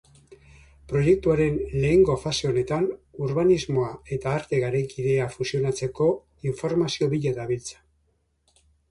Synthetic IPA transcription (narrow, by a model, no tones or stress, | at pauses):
pɾo̞je̞k̚t̪uaɾe̞nle̞ːŋɡo̞fase̞o̞ne̞t̪anuɾβanizmo̞ae̞t̪aːɾt̪e̞ɣaɾejkiðe̞afusio̞nat͡se̞ko̞ | iɱfo̞ɾmasio̞βiʎaðaβilt͡sḁ